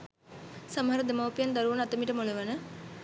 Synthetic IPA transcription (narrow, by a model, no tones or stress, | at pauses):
sɐmɦɐɾɐd̪emɐwpijɐnd̪ɐɾuʋɐnɐt̪ːɐmiʈɐmoɭuʋɐnɐ